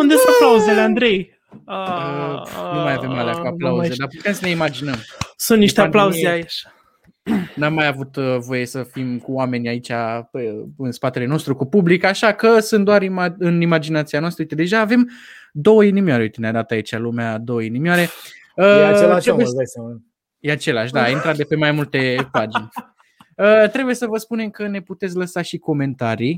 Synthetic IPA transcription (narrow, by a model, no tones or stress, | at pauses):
und̪esuaplawuzeleand̪ɾe̞j | ənumajave̞maleakuaplauzed̪apu̥t̪e̞msəne̞imad͡ʒinəmsũnt̪niʃt̪eaplauzeait͡ʃ | namːajavut̪vo̞je̞səfimkuame̞nʲait͡ʃʲaeɨnspat̪e̞le̞no̞st̪ɾukupublikaʃakəsunt̪d̪oaɾimaɨnimad͡ʒinat̪sianoast̪əujt̪ed̪e̞ʒaːve̞m | d̪o̞wəinimioaɾeujt̪enead̪at̪ait͡ʃalumead̪o̞wəinimiaɾe̞ | əelaɾebujd̪asam | jeat͡ʃe̞laʃ̬ʲd̪aaint̪ɾat̪̚d̪epemajmult̪e̞pad͡ʒnʲ | ət̪ɾe̞buje̞səvəspune̞mkəne̞put̪et̪sʲləsaʃiko̞me̞nt̪aɾij